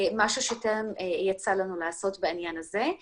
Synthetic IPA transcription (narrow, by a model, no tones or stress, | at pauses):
maʃuʃetemjat͡salanulaaso̞tbeinjanaze̞